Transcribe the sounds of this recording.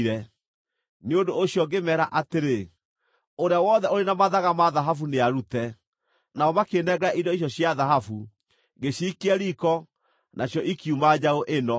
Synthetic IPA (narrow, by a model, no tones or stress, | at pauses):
ɾɛ | neodoːɕjɔɡemɛːɾaʔateɾe | oɾeawɔðɛoɾenamaðaɣamaðaɦafuneaɾutɛ | naɔmakenɛɡaʔidɔiɕ̬ɔɕjaðaɦafu | ɡeɕiːkeɛɾikɔ | nʔaɕjɔʔikiumad͡ʑaoʔenɔ